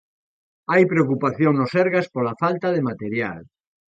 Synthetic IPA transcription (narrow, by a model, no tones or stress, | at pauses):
ajpɾeokupaθjoŋnosɛɾɣaspolafalt̪aðemat̪eɾja̰l